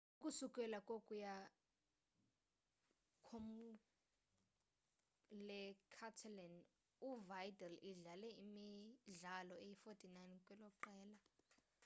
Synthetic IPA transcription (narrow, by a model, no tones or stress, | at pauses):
ukʼusukʼɛlakʼokʼuja | kʰom | lɛkʰatʰalɛn | uvajdɛliɮalɛimiɮalɔejifotʰʼinajnkʼwɛlɔǃɛːla